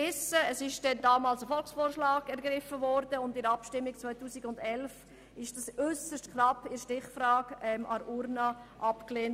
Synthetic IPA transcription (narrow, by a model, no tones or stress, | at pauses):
ɪsəəsɪʃd̥ɛndɑːmɑːlsəfɔlksfoːɾʃlɑːɡɛɾɡɾɪfəvɔɾdəʊndɪɾɑpʃtɪmːɪk̚t͡svœɪtuːsɪɡʊndɛlf | ɪʃd̥ɑsʏsəʃtknɑpːɪɾʃtɪχfɾɑːɡɛmʔɑɾʔuɾnɑʔɑpkleːn